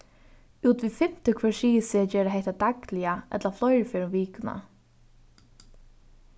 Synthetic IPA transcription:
uːt̪viðfɪm̥t̪ɪkʰvɛːʃiːsɪad͡ʒɛːɾaɦɛht̪ad̪aklɪaʔɛ̰t̪laflɔjɾfɛɾɪʋiːkʊna̰

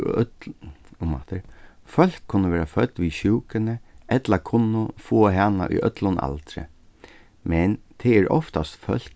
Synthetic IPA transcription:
ma̰t̪əɾfœl̥kʰːʊnːəʋeːɾafœt̪ːʋiɕuːkɪnəɛt̪lakʰʊnːʊfoːɦana̰ʔʊ̰jʔœ̰t̪lʊna̰lt̪ɾɪ̰ | mɛnt̪ʰɛɛːɾɔ̰ft̪ast̪fœl̥k

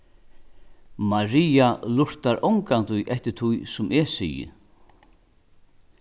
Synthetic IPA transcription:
maɾiːalʊɹ̥t̪aɾʔɔwŋkant̪ʊjʔɛht̪ɪ̥t̪ʰujsʊmʔɛsḭjɪ̰

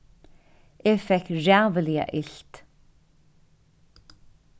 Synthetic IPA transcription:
ʔeːfɛkɹavəliə̰ʔɪɬt̪

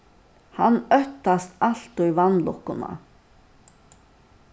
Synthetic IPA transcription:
hanːœht̪ːast̪al̥t̪ujvanːlɔhkːʊna̰

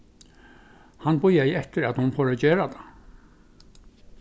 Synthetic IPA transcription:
hanbʊjaɪɛht̪əɾad̪hʊnfoːɾad͡ʑeːɾad̪ʰa

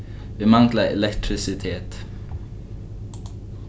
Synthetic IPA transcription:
bemɑŋɡlaɛ̰lɛkt̪ʰɾɪsɪt̪ʰeːt̪

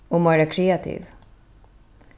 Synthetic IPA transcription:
umɐɾːɐkɾɛɐt̪ḭːv

